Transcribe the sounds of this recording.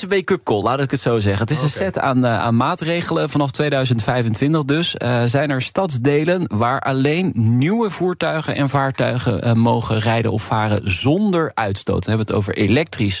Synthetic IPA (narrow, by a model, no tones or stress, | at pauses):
əʋejkɵp̚kɔlˠlaːtɪkətsowzɛχəntɪsənsɛta̰ːna̰ːnmaːtrejχələvɑnɑftʋejdœɥzəntfɛjvəntʋɪntəχdɵszɛjnɛɹstɑtsdejlənʋaːɹʔɑlejnnywəvuːɹtœɥχənʔɛ̰nvaːɹtœɥχə̰mowχənrɛjdə̰nɔ̰pfaːrə̰nzɔndəɹœɥtsto̰wtɛnɦɛbəəto̰wvə̰ɹʔelɛk̚tris